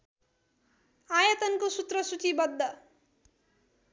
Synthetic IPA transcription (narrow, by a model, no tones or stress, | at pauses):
ajʌt̪ʌnkosut̪rʌsut͡sibʌd̪ʱːʌ